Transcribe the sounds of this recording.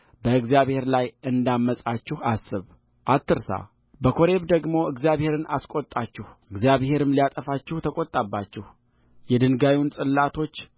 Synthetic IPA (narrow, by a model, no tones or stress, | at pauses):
bəɨɡzijaβhe̞ɾlajɨnd̪amːəsʼat͡ʃːɪhasːɨβ | ʔat̪ʰːɨɾsa̰ | bəkʰo̞ɾe̞βd̪əɡmo̞ɨɡzijaβhe̞ɾɨnaskʼot̪ʼat͡ʃːɪhɨɡzijaβhe̞ɾɨmliat̪ʼəfat͡ʃːɪht̪ʰəkʼot̪ʼːabːat͡ʃːɪh | jɛd̪ɨnɡawjwunsʼɨlːat̪ʰo̞t͡ʃː